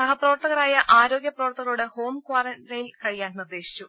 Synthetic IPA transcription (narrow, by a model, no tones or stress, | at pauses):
ɐɦɐprɐʋɐrt̪ɐɣɐɾaːjɐʔaːɾo̞ːɡjɐprɐʋɐrt̪ɐɣɐɭuɽeho̞ːmkwaːɾɐnrɐjilkɐɻijaːɳnird̪e̞ːɕi̥t͡ɕːu